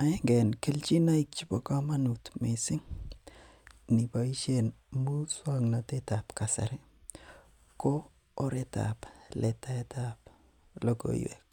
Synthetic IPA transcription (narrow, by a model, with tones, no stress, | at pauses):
a˨ɛ˦ŋɡe˨nke˦lt͡ʃi˦na˦i˦k̚t͡ʃi˦bo˨ka˦ma˦nu˨tme˨sɪ˦ŋ | nɪ˨ba˨i˦t͡ʃe˦˨nmu˦swa˦ŋna˨te˦ta˨pka˨sa̰˨ɾɛ˦ | koː˦ | ɾe˦ta̰ple˨ta˦e˦ta˦p | lo˦ɡo̰˨j̰wḛ˨k̚